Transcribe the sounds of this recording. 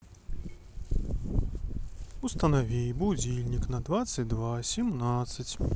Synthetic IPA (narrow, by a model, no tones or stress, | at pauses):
ust̪ɐnavʲijbud͡zʲilʲnʲiknɐd̪vat̪sɨt͡sʲd̪vasʲimnat̪sət͡sʲ